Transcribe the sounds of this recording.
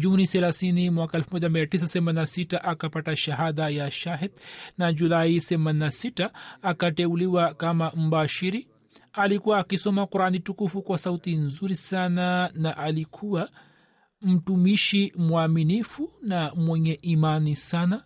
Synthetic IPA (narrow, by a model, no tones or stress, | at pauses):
ʄuniθɛlaθinimwakaɛlfumɔʄamiatis̬aθɛmaninasitaʔakapataʃaɦaðajaʃaɦɛdnaʄulaiθɛmaninasitaːkatɛuliwakamam̩baʃiɾi | alikuwaːkisɔmakuɾanitukufukwasautinzuɾisananaʔalikʰuwa | m̩tumiʃimwaminifunamwɛɲɛʔimanisana